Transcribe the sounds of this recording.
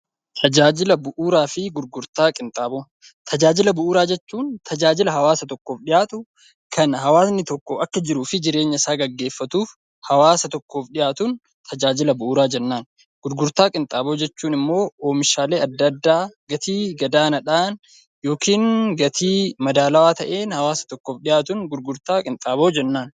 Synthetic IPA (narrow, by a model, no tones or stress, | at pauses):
t̪ʰɐd͡ʒaːd͡ʒɪlɐbʊʔuːɾaːfɪɡʊɾɡʊɾt̪aːkʼɪnt̪ʼaːboː | t̪ʰɐd͡ʒaːd͡ʒɪlɐbʊʔuːɾaːd͡ʒɛt͡ʃːuːnt̪ʰɐd͡ʒaːd͡ʒɪlɐɦɐwaːsɐt̪ɔkːo̞ːfᶑɪjaːt̪ʊ | kʰɐnhɐwaːsnɪt̪ɔkːoʔɐkːɐd͡ʒɪɾuːfɪd͡ʒɪɾe̞ːɲːɐɪsaːɡɐɡːe̞ːfːɐt̪uːf | hɐwaːsɐt̪ɔkːo̞ːfᶑɪjaːt̪uːn | t̪ʰɐd͡ʒaːd͡ʒɪlɐbʊʔuːɾaːd͡ʒɛnːaːn | ɡ̥ʊɾɡʊɾt̪aːkʼɪnt̪ʼaːbo̞ːd͡ʒɛt͡ʃːuːnɪmːo̞ːoːmɪʃaːleːɐd̪ːɐd̪ːaːɡɐt̪iːɡɐd̪aːnɐᶑaːn | jo̞ːkiːnɡɐt̪ʰiːmɐd̪aːlɐwaːt̪ɐʔe̞ːnhɐwaːsɐ̥t̪ɔkːoːfᶑɪjaːt̪ʊnɡʊɾɡʊɾt̪aːkʼɪnt̪ʼaːbo̞ːd͡ʒɛnːaːn